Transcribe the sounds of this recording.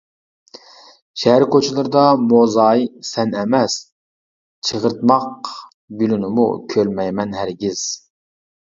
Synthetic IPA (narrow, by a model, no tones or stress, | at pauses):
ʃɛɦæɾkʰot͡ʃʰilˠɨɾɨd̪ɑmozɑjsɛnɛmɛs | t͡ʃʰəʁəɾt̪̚mɑq | bylunɪmṵkʲʰølmɛjmɛnɦæɾɡʲiz̥